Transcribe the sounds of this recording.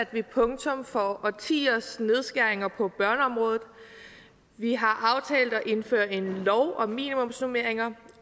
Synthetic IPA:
æd̥ʋipʰɔ̽ŋt͡sʰɔ̽mfɒɒt͡sʰḭːɐsne̝ð̞ˠsɡ̥æɐ̰e̝ŋɐpʰɒ̽b̥ɶɐnəɒ̽mʁɔːðˠð̩ˠ | ʋiɦɑ̈ʔɑ̈ʊt͡sʰɛ̰ːld̥ɒ̽ʔe̝nfø̰ɐe̝nlɒʊʔɒ̽mḭːnimɔ̽msnume̝ɐ̰eŋɐ

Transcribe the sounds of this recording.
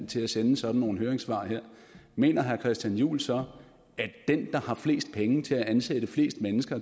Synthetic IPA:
n̰t͡sʰe̝læsenəsɒ̽d̥n̩ːo̝ːn̩høːɐeŋsʋɑ̰̈heɐ̰ | me̝̰ːnɐɦæɐkʰʁɛsd̥jænjṵːlsɒ̽ | æd̥end̥ɑ̈hɑ̈fle̝̰ːsd̥̚pʰeŋət͡sʰe̝læʔænsed̥əfle̝̰ːsd̥menəsɡ̥ɐ

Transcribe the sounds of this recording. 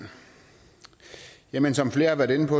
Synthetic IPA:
jemənsɒ̽mfle̝ːɐɑʋæɐɾ̥e̝nəpʰɒ̽

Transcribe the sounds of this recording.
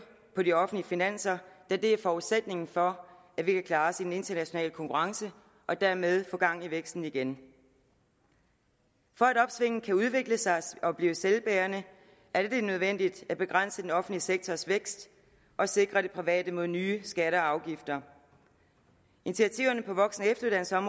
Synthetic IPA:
pʰɒ̽diɒ̽fn̩liəfinæn̰sɐd̥æd̥e̝æɐfɒːuðˠsed̥ne̝ŋn̩fɒ̽ | æʋikʰækʰlɑ̈ːsid̥ene̝nd̥ɐnæɕo̝nɛ̰ːləkʰɒ̽ŋkʰuʁɑ̈ŋsə | ʔɒ̽d̥æɐ̰með̞ˠfɔ̽ːɡ̥ɑ̈ŋ̰iʋeɡ̥sd̥n̩iɡ̥en | fɒ̽æɾɒ̽b̥sʋe̝ŋ̰n̩kʰæuðˠʋe̝ɡ̥ləsɑ̈ɪɒ̽b̥liːʊəselb̥æːɐnə | ʔæɐd̥ed̥e̝nøð̞ˠʋen̰d̥id̥æb̥e̝ɡ̥ʁan̰səd̥enɒ̽fn̩liseɡ̥̚t͡sʰɒsʋeɡ̥sd̥ | ʔɒ̽se̝ɡ̥ʁɐd̥e̝pʰʁiʋɛ̰ːd̥əmo̝ðˠnyːsɡ̥æɾəɑ̈ʊɡ̥ifd̥ɐ | enit͡sʰiæt͡sʰiʊɐnəpʰɒ̽ʋɒ̽ɡ̥sn̩əefd̥ɐuð̥ˠænsɒ̽mʁ

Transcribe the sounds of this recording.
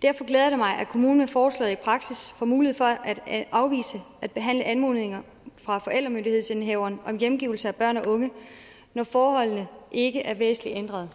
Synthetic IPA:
d̥æɐfɒ̽ɡ̥leːð̞ˠɐɾ̥umɑ̈ɪʔækʰo̝muːnnæfɒːslɛ̰ːð̩ˠipʰʁɑ̈ɡ̥sisfɒmuːlieð̩ˠfɒ̽ʔæd̥ɑ̈ʊʋḭːsəæd̥̚b̥e̝ɦæn̰ləʔænmo̝ðˠneŋɐ | fʁɑ̈fɒ̽ʔeld̥ʁɐmøndihe̝ð̞̰ˠse̝nɦeʊɐːnʔɒ̽mjemɡ̥iʊl̩səæb̥ɶɐ̰nɒ̽ʔɔ̽ŋə | nɒfɒːhɒ̽l̰nəʔe̝ɡ̥əʔæɐʋḛːsn̩liend̥ʁɐð̞ˠ

